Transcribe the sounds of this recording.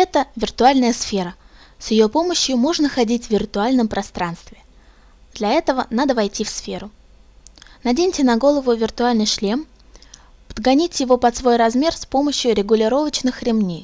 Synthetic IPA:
ɛt̪əvʲɪrt̪ʊalʲnəjəsfʲeɾə | sjɪjopo̞məɕjʊmo̞ʐnəxɐdʲitʲvʲɪrt̪ʊalʲnəmpɾʔɐst̪ɾanst̪vʲɪ | d̪̥lʲɐɛt̪əvənad̪əvɐjtʲifsfʲe̞ɾʊ | nɐdʲenʲtʲɪnɐɡo̞lˠəvʊvʲɪrt̪ʊalʲnɨjʂlʲe̞m | pəd̪ɡɐnʲitʲjɪvo̞pɐt̪svo̞jrɐzmʲe̞rspo̞məɕjʊɾʲɪɡʊlʲɪɾo̞vət͡ɕnɨxɾʲɪmnʲej

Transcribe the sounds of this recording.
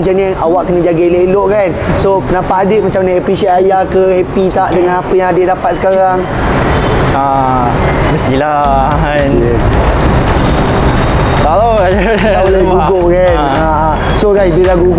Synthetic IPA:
t͡ʃanəawaʔkənãd͡ʒaɡaleloʔkansopənapaʔadeʔ̚mat͡ʃamnaʔapɾisiaajakəhɛpit̪aʔdəŋãnapəjaŋadeʔdapat̪̚sə̥kaɾaŋ | a | məst̪ila | n | t̪aoa | oləɡuɡoka | aa | soɡasbilaɡuɡ

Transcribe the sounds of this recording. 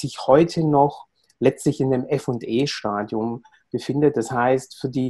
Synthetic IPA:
z̥ɪçhɔʏtʰənɔχ | lɛt͡stlɪçɪndeːmʔɛfʊntʔeːʃtaːdjʊm | b̥əfɪndət̚d̥ashaɪstfyːɐdiː

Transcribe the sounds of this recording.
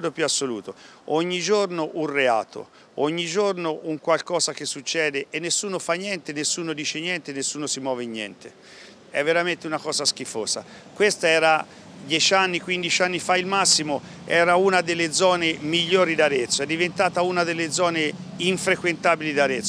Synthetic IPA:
d̪opjuasːolṵːt̪ooɲːid͡ʒornoʔunrea̰ːt̪ʰo̰ | oɲːid͡ʒornoʔuŋkwalkɔːzak̟esːut͡ʃːɛːd̪eʔenːesːuːnofanjɛnt̪enesːuːnod̪iːt͡ʃenjɛnt̪enesːuːnosimwɔːveɲːɛ̰nt̪e | ɛ̰vːeɾament̪eunakɔːzask̟ifoːza̰ | kwest̪aɛːɾa | d̪jɛt͡ʃanːikwind̪it͡ʃanːifailmasːimoɛːɾaunad̪elːed̪zɔːnemiʎːoːɾid̪aɾet̪sːoɛd̪ːivent̪aːt̪aunad̪elːed̪zɔːne | iɱfɾekwent̪aːbilid̪aɾet̪sː

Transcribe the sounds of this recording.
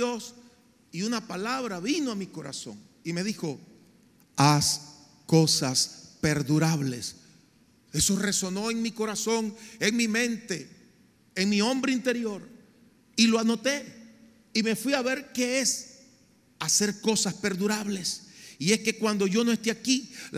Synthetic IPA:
os | iunapalaβɾaβinoamiko̞ɾa̰so̞ŋ | ime̞ðixo̞ | as | ko̞saspe̞ɾðuɾaβle̞s | e̞so̞re̞so̞no̞eŋmiko̞ɾaso̞ŋeŋmimẽ̞nt̪eː | ŋmiõ̞mbɾeint̪e̞ɾjo̞ɾ | iloano̞t̪e̞ | ime̞fwiaβe̞ɾke̞es | ase̞ɾko̞saspe̞ɾðuɾaβle̞sie̞ske̞kwand̪o̞ʝo̞noe̞st̪eaki

